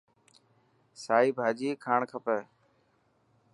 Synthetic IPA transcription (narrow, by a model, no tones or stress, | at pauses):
saːiːbʱaːd͡ʒiːkʰaːɳkʰəpɛː